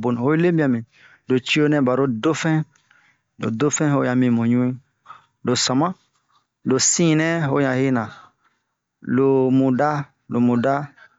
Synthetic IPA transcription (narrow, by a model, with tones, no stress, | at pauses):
bo˨n˨ho˦i˦le˦bĩ˦a˨mĩ˨ | do˨t͡ʃi˦o˦nɛ̃˦ba˨ɾo˦do˦fɛ̃˦ | lo̰˨do˦fɛ̃˦ho˦jã˨mĩ˨mõ˨ɲũ˦ĩ˦ | lo˨sã˨mã˦ | do˨sĩ˦˨nɛ̃˦ɦo˦ɲã˨hi˦nã˨ | lo˨mũ˨da˦ | lo˨mũ˨da˦